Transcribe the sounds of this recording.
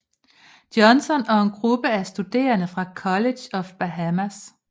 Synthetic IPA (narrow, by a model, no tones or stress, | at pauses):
d̥jɒ̽nsɒ̽nɒ̽e̝nɡ̥ʁub̥əæsd̥ud̥e̝̰ːɐnəfʁɑ̈kʰɒ̽le̥ɒ̽fb̥æɦæmæs